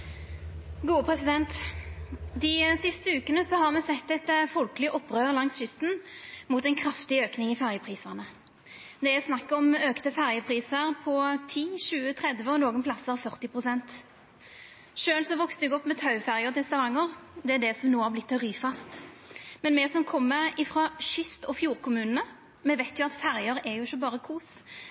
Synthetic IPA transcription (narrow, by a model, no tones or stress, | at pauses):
ɡuːəpʰʁɛsɪd̪ɛnt̪ | d̪ɪsɪst̪əʉːkənəsɔhɑʁmɛsɛt̪ːɛt̪fɔlkəlɪʔɔpːʁøːʁlɑŋsʃʏst̪n̩muːt̪ɛɪnkʰʁɑft̪ɪøːknɪŋɪfæʁjəpʰʁiːsəʁnə | d̪ɛæsnɑkːəɔmøːkt̪əfæʁjəpʰʁiːsəʁpʰɔt̪ʰiːʃʉːət̪ʰʁɛd̪ʋəɔnoːɡənpʰlɑsəʁfœʁt̪ɪpʁʊsɛnt̪ | ʃøːlsɔʋɔkst̪əʋɛɡɔpːmɛt̪ʰɑʉfæʁjəʁt̪ʰɛst̪ɑʋɑŋːəʁd̪ɛæd̪ɛsɔmnoːæblɪt̪ːʁyːfɑst̪ | mɛnmɛsɔmkʰɔmːəɪfʁɑʃʏst̪ɔfjuːʁkʊmʉːnənə | mɛʋæɪt̪jʊɑt̪fæʁjəɾɛjʊɪçːəbɑːʁəkʰuːs